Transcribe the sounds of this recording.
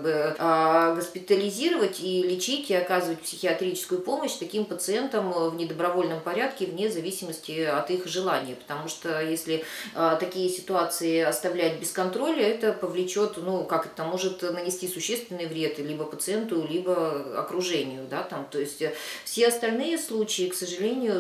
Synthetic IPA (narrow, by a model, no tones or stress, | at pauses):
bɨ | ɡəspʲɪt̪əlʲɪzʲiɾəvətʲilʲɪt͡ɕitʲɪɐkazɨvətʲpsʲɪxʲɪɐt̪ɾʲit͡ɕɪskʊjʊpo̞məɕt̪ɐkʲimpət̪sɨent̪əmvnʲɪd̪əbɾɐvo̞lʲnəmpɐɾʲæt̪kʲɪvnʲezɐvʲisʲɪməsʲtʲɪɐt̪ixʐɨlˠanʲɪjəpə̥t̪ɐmuʂt̪ojesʲlʲɪat̪ɐkʲijəsʲɪ̥t̪ʊat̪sɨɪɐst̪ɐvlʲæt̚ʲbʲɪskɐnt̪ɾo̞lʲɛt̪əpəvlʲɪt͡ɕo̞t̪nukakɛt̪əmo̞ʐɨt̪nənʲɪsʲtʲisʊɕːe̞st̪vʲɪnːɨjvɾʲe̞t̪lʲibəpət̪sɨent̪ʊlʲibəɐ̰kɾʊʐɛnʲɪjʊd̪at̪amt̪o̞ɪsʲtʲfsʲeɐst̪ɐlʲnɨjəslˠut͡ɕɪɪksəʐɨlʲenʲɪjʊ